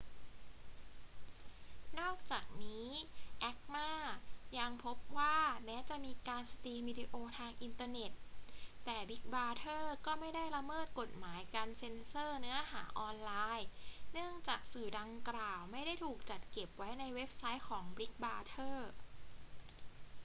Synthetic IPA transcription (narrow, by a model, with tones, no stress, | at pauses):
nɔː˥˩k̚t͡ɕaː˨˩k̚niː˦˥ʔɛ˦˥k̚maː˥˩ja˧ŋpʰo˦˥p̚waː˥˩mɛː˦˥t͡ɕa˨˩ʔmiː˧kaː˧nsa˧t̪iː˧wiː˧di˧ʔoː˧t̪ʰaː˧ŋʔi˧nt̪aː˧ne˨˩t̪̚ːɛː˨˩bi˦˥k̚baː˧t̪ʰɤː˥˩kɔː˥˩ma˥˩jda˥˩jla˧mɤː˥˩t̪̚ko˨˩t̪̚maː˩˦jka˧nse˧nsɤː˥˩nɯ˦˥ɐɦaː˩˦ʔɔː˧nlaː˧jnɯ˥˩əŋt͡ɕaː˨˩k̚sɯː˨˩da˧ŋklaː˨˩wma˥˩jda˥˩jt̪ʰuː˨˩k̚t͡ɕa˨˩t̪̚ke˨˩p̚wa˦˥jna˧jwe˦˥p̚sa˦˥jkʰɔː˩˦ŋbɾi˦˥k̚baː˧˥t̪ʰɤː˥˩